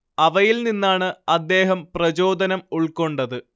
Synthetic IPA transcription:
ɐʋɐjilninːaːɳɨɐd̪ːe̞ːɦɐmprɐd͡ʑo̞ːd̪ɐnɐmuɭko̞ɳɖɐðɨ

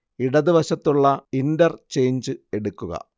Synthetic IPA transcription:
iɽɐðiʋɐɕɐt̪ːuɭːɐindɐrt͡ɕe̞jɲd͡ʑɨe̞ɽukːuɣɐ̰

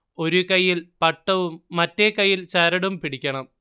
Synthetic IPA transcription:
o̞ɾukɐjːilpɐʈːɐʋumːɐtːekɐjːilt͡ɕɐɾɐɽumpiɽikʲːɐɳɐm

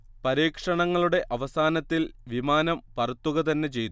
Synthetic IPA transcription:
pɐɾiːkʂɐɳɐŋːɐɭuɽe̞ʔʔɐʋɐsaːnɐt̪ːilʋimaːnɐmpɐrɐt̪ːuɣɐt̪ɐnːe̞t͡ɕe̞jt̪ː

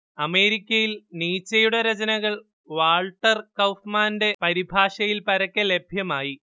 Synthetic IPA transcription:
ɐme̞ːɾikʲːɐjilniːt͡ɕːɐjuɽɐɾɐd͡ʑɐnɐɣɐɭ | ʋaːɭʈːɐrkɐwfmaːnde̞pɐɾibʱaːʂɐjilpɐɾɐkːɐle̞bʱjɐmaːji

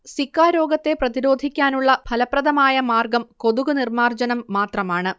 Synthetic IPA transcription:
sikːaːɾo̞ːɡɐt̪ːe̞prɐðiɾo̞ːd̪ʱikʲːaːnuɭːɐbʱɐlɐprɐðɐmaːjɐmaːrɡɐmko̞ðuɣunirmaːrd͡ʑɐnɐmːaːt̪rɐmaːɳɨ

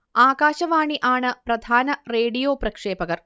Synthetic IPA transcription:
aːɣaːɕɐʋaːɳiʔaːɳɨprɐd̪ʱaːnɐreːɖijoːprɐkʂeːbɐɣɐr

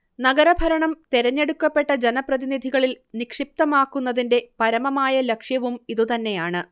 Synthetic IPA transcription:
nɐɡɐɾɐbʱɐɾɐɳɐmt̪eɾɐɲːe̞ɽukːɐpːe̞ʈːɐd͡ʑe̞nɐprɐðinid̪ʱiɣɐɭil | nikʂip̚t̪ɐmaːkːunːɐðinde̞pɐɾɐmɐmaːjɐlɐkʂjɐʋumiðut̪ɐnːe̞jaːɳɨ

